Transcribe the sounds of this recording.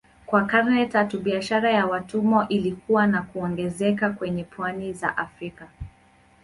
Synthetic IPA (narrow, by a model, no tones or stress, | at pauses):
kwakaɾnɛtatuɓiaʃaɾajawatumɔʔilikuwanakuɔŋɡɛzɛkakwɛɲɛpwaniza̰ʔafɾika